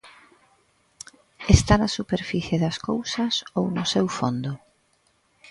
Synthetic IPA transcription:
est̪anasupeɾfiθjeðaskowsasownʊsewfond̪o

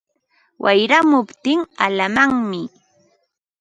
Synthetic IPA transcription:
wʔajɾamʊpt̪ɪŋalamaŋmɪ

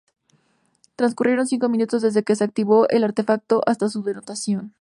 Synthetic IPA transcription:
t̪ɾanskurʔje̞ɾo̞nsiŋko̞mĩnut̪o̞zðe̞zðe̞ke̞seak̚t̪iβo̞ʔe̞laɾt̪e̞fak̚t̪o̞ʔast̪asuðe̞no̞t̪asjo̞n

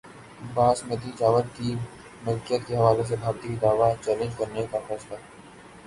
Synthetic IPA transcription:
baːsmet̪it͡ʃaːʋət̪ki | mɐkijət̪keɦɐʋaːles̬ebʱaːbt̪ikid̪aːʋat͡ʃɛːlə̃nd͡ʒkɐɾnekafɛːsla

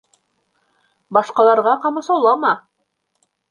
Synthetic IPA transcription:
bɑʃqɑlˠɑɾʁɑqɑmɑ̆sɑwlˠɑmɑ

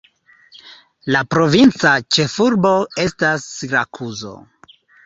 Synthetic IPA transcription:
lapɾo̞vint͡sat͡ʃe̞fuɾbo̞e̞stasiɾakʰuzo̞̰

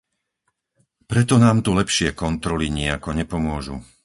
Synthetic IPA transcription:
pɾɛt̪ɔnaːmt̪ulɛpʃɪɛkɔnt̪ɾɔliɲɪakɔɲɛpɔmʊɔʒṵ

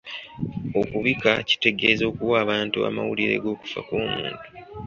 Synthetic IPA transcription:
o̞kuβikaci̥te̞ɡe̞zo̞ːkuwaːβaːntua̰mawuliɾe̞̰ɡo̞ːku̥fa̰koːmṵːntu̥

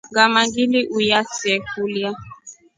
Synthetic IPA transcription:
ɡamaɡiliʔujasɛkulja

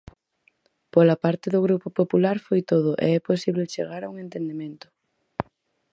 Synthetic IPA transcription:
polapaɾt̪ɪðʊɣɾupopopulaɾfojt̪oð̞ʊʔḛɛposiβlet͡ʃḛɣaɾauŋent̪end̪emẽnt̪ʊ̥

